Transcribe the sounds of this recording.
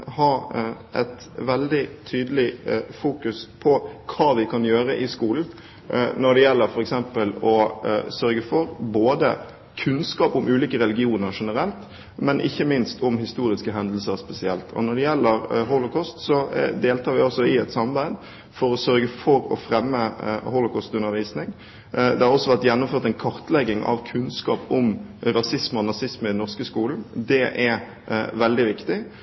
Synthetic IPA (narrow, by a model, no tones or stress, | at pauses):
hɑɾʔɛt̪ | ʋɛld̪ɪt̪ʰyːd̪əlɪfuːkʉspʰɔkʰɑːʋɪkʰɑnjøːɾəʔɪskuːln̩ | nɔɖ̪ɛjɛlːəɾfɔɾɛksɛmpəlɔsœɾɡəfɔɾboːd̪ə̰ | kʰʉnskɑːpʊmʉːliːkəɾɛlɪɡɪuːnəɾʂɛnəɾɛlt̪ | mɛnʔɪ̰çːəmɪnst̪ʊmhɪst̪uːɾɪskəɦɛnd̪l̩səɾspɛsɪɛlt̪ʰɔ̰nɔɖɛjɛlːəɾɦʊlʊkʰɔst̪sɔd̪eːlt̪ʰɑːɾʋɪɔsɔɪɛt̪sɑmɑbæɪd̪ | fɔɾɔsœɾɡəfɔɾɔ̰fɾɛmːəhʊlʊkʰɔst̪ʉnːəɾʋiːsnɪŋ | d̪ɛhæɾɔsːɔʋæɾt̪jɛnːʊmføːɾt̪æɪnkʰɑɾt̪lɛɡːɪŋʔɑ̰ʋkʰʉnskɑːpʊmɾɑsɪsməɔnɑsɪsməɪd̪nɔʁskəskuːln̩d̪ɛʔɛɾ | ʋɛld̪ɪʋɪkt̪ɪ